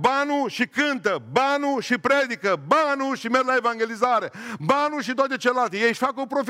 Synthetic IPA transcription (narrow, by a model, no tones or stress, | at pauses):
banuʃikɨnt̪əbanuʃipɾed̪ikəbanuʃimeɾlaevaŋɡʲelizaɾebanuʃit̪oat̪eat͡ʃellalt̪ijejʃfakopɾof